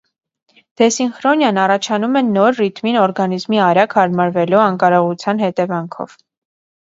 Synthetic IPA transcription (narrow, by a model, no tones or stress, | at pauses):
d̪̥ɛsinχɾɔnjɑnɑrɑt͡ʃʰɑnumɛnɔɾrit̪minɔɾɡɑnizmiɑɾjɑkʰhɑɾmɑɾvɛluɑŋkɑɾɔʁut͡sʰjɑnhɛt̪ɛvɑŋkʰɔ̰v̥